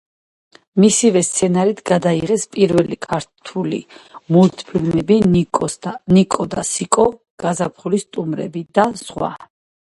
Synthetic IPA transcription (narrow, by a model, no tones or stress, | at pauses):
misivɛst̪sʰɛnaɾit̪ʰɡad̪aiʁɛspʼiɾvɛlikʰaɾt̪ʰulḭmult̪ʰpʰilmɛbi | nikʼɔd̪asikʼɔ | ɡ̥azapʰχulist̪ʼumɾɛ̰bid̪asʁwa̰